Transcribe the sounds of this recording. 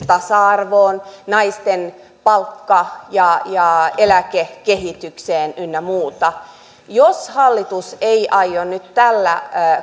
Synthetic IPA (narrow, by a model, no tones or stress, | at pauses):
t̪ɑsɑɑrʋoːnnɑist̪en | pɑlkːɑjɑjɑelækekeɦit̪ykseːnynːæmuːt̪ɑ | joshɑlːit̪useiʔɑjjonnyt̪t̪ælːæ̰